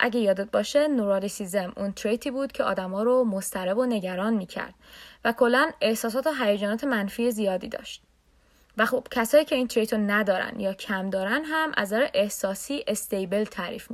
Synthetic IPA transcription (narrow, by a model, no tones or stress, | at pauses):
ʔæ̰ɟejɒːd̪ed̪̚bɒːʃenoɾɒːlisizemunt̪ʰɾejt̪ʰiːbuːd̪̥cʰeɒ̰ːd̪æmɒːɾomost̪ʰæɾebone̞ɟæɾɒːnmiːcʰæ̰ɾd̪̥vækʰo̞lːæne̞hsɒːs̬ɒːt̪oɦæjæd͡ʒɒːnɒːt̪ʰe̞mænfiːezijɒːd̪iːd̪ɒ̰ːʃt̪̚ | væxob̥cʰæsɒːjiːcʰe̞iːnt̪ʰɾejt̪ʰonæd̪ɒːɾæ̰nd̪jɒːcʰæmd̪ɒːɾænɦæmʔæ̰zɒɾeʔe̞hsɒːsiːʔe̞st̪e̞jbe̞lt̪ʰæɾḭːfmi